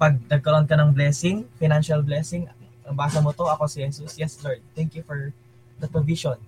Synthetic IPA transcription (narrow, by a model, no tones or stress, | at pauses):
pɐɡ̚nɐɡ̚kɐɾoʔnkɐnɐŋblɛsɪŋfɪnanʃɐlblɛsɪŋʔɐŋbaːsɐmot̪oʔɐkosɛhɛsusjɛslɐɹd̪̚t̪ɛŋkjufɔɹ | d̪ɐpɹoviʃon